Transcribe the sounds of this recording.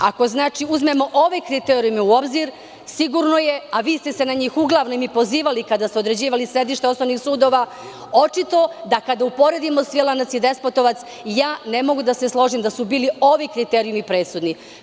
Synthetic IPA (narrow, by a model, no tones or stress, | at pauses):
ako̞znaːt͡ʃiuzme̞mo̞ʔo̞ʋekɾit̪eːɾijumiuobziɾ | siɡuɾno̞je̞aʋiːst̪ese̞naɲiːxuɡlˠaʋnomipo̞ziːʋalikad̪ast̪eod̪ɾed͡ʑiːʋalisɾe̞d̪iʃt̪eo̞snoʋnixsuːd̪o̞ːʋa | o̞t͡ʃit̪o̞d̪akad̪aupo̞ɾe̞d̪imo̞sʋilˠanat̪sid̪e̞spot̪o̞ʋat̪s | jaːne̞mo̞ɡud̪aseslˠo̞ʒimd̪asubiːlio̞ʋikɾit̪eɾijumipɾe̞ːt̪sud̪ni